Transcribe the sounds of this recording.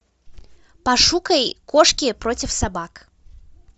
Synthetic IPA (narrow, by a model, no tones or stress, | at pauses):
pɐʂukəjkoʂkʲɪpɾotʲɪfsɐbak